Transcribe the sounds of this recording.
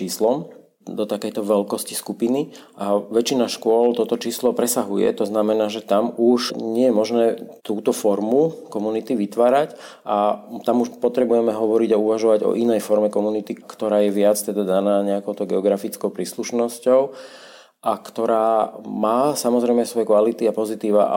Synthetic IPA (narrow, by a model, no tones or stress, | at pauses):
t͡ʃiːslɔm | d̪ɔt̪akɛjt̪ɔʋɛlkɔsciskupiniʔaʋɛt͡ʃinaʃkʊɔlt̪ɔt̪ɔt͡ʃiːslɔpɾɛsaɦujɛ̰t̪ɔznamɛnaːʒɛt̪amuʃɲɪɛjɛmɔʒnɛːt̪uːt̪ɔfɔɾmukɔmunit̪iʋit̪ʋaːɾac | ʔat̪amuʃpɔt̪ɾɛbujɛmɛɦɔʋɔɾiɟauʋaʒɔʋaɟɔ̰ʔinɛjfɔɾmɛkɔmunit̪ikt̪ɔɾaːjɛʋɪat͡st̪ɛd̪ad̪anaːɲɛakɔʊt̪ɔʊɡɛɔɡɾafit͡skɔʊpɾiːsluʃnɔscɔʊ | ʔakt̪ɔɾaːmaːsamɔzɾɛjmɛsʋɔjɛkʋalit̪iapɔzit̪iːʋa̰